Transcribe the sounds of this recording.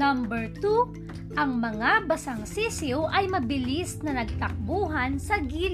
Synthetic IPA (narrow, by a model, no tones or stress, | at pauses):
ɐmbɛɹt̪u | ʔɐŋmɐŋabɐsɐŋsisɪwʔɐjmɐbɪlisnɐnɐɡ̚t̪ɐk̚buːɦɐnsɐɡiːl